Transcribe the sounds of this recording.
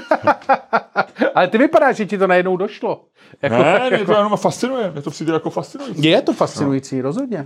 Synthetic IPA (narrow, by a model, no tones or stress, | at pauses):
ʔalɛt̪ɪvɪpadaːʃʒɛcɪt̪onajɛdnowdoʃlo | jankoɛaɛtojanomafast͡sɪnujɛmjɛt̪opsit̪ɛjakofast̪t͡sɪnujijɛt̪ofast͡sɪnujit͡siːɾozɦod̪ɲɛ